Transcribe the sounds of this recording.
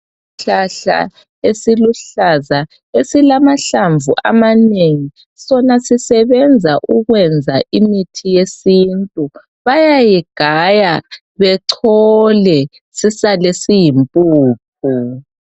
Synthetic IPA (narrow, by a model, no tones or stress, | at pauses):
ɬaɬa̰ | esiluɬaza | esilamaɬaɱvṵʔa̰maneŋi | sɔnasisɛβɛnd͡zʱaʔuɣwɛnd͡zʱaʔimitʰijesintʼu | βajajiɡ̥ʱaja | βɛǀʰɔlɛ | sisalesijimpʼuːp̚ʰu